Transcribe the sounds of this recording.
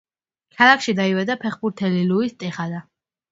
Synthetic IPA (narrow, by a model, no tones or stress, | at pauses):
kʰalˠakʰʃid̪aiwɛd̪apʰɛχbuɾt̪ʰɛliluist̪ʼɛχad̪a